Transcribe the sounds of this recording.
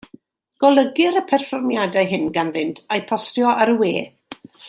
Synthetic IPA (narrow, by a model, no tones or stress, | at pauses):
ɡ̥ɔlˠəɡɪɾəpʰɛrfɔrmjadajɦɪnɡanðɪntʰajpʰɔstjɔʔaɾəweː